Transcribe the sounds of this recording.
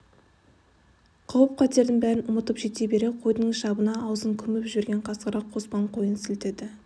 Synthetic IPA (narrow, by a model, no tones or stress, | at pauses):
qʰɑwəp̚qʰɑt̪e̞ɾd̪ɪŋbæɾɪnʊmət̪əpʒe̞t̪ebe̞ɾe̞qʰo̞jd̪əɴʃɑbənɑːwzəŋkʲʰʏmɪpʒʏɾɡʲe̞ɴqʰɑsqəɾɑqʰːo̞spɑɴqʰo̞jənsɪlt̪ed̪ɪ